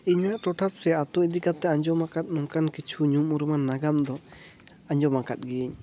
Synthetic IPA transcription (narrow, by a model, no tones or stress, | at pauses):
iɲaʔʈɔʈʰat̪sɛat̪ɔid̪ikat̪ɛaɲd͡ʒɔmakat̪̚nɔŋkankit͡ʃʰuɲumuɾumanːaɡamd̪ɔ | aɲd͡ʒɔmakat̪̚ɡiɲ